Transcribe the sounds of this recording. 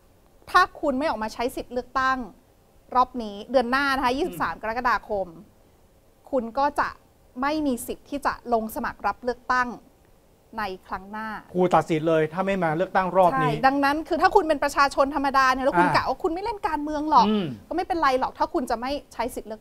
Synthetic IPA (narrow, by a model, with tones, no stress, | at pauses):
t̪ʰaː˥˩kʰu˧nma˥˩jʔɔː˨˩maː˧t͡ɕʰa˦˥jsi˨˩t̪̚lɯ˥˩ək̚t̪a˥˩ŋ | ɾɔː˥˩p̚niː˦˥dɯ˧ənːaː˥˩na˦˥kʰa˦˥jiː˥˩si˨˩saː˩˦mka˧ɾa˦˥ka˧˩daː˧kʰo˧m | kʰu˧nkɔː˥˩t͡ɕa̰˨˩ʔ | ma˥˩jmiː˧si˨˩t̪ʰːiː˥˩t͡ɕa̰˨˩ʔlo˧ŋsa˧ma̰˨˩k̚ɾa˦˥p̚lɯ˥˩ək̚t̪a˥˩ŋ | na˧jkʰɾa˦˥ŋnaː˥˩kʰuː˧t̪a˨t̪̚si˨˩˦n̚lɤː˧jt̪ʰaː˥˩ma˥˩jmaː˧lɯ˥˩ək̚t̪a˥˩ŋɾɔː˧˥˩pʰa˥niː˦jda˧ŋna˦˥nkʰɯː˧t̪ʰaː˥˩kʰu˧npe˧npɾa˧t͡ɕʰaː˧t͡ɕʰo˧nt̪ʰa˧mːa˧daː˧ni˧˩lɛ˦˥ʔkʰu˧nlaː˨˩waː˥˩kʰu˧nma˥˩jle˥˩nkaː˧nmɯ˧əŋlɔː˨˩kːkːɔː˥˩ma˥˩jpe˧nɾa˧jlɔː˨˩k̚t̪ʰaː˥˩kʰu˧nt͡ɕa˨˩ma˥˩jt͡ɕʰa˦˥jsi˨˩t̪̚lɯ˥˩ə˥